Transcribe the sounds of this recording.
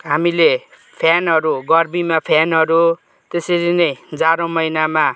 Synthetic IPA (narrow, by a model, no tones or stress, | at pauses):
ɦamile | pʰjanɦʌɾuɡʌrmimapʰjanɦʌɾu | t̪eseɾinʌjd͡zaɾõmʌjnama